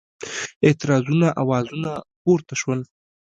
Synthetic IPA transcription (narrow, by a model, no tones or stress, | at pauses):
ɪt̪ɪɾɑzunaʔawɑzunapoɾt̪aʃwəl